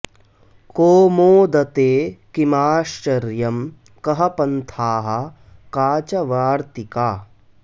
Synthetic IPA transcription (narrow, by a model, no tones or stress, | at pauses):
koːmoːd̪ɐt̪eːkimaːʃt͡ʃɐɾjɐm | kɐɦɐpɐnt̪ʰaːɦɐ̆ | kaːt͡ʃɐʋaːɾt̪ikaː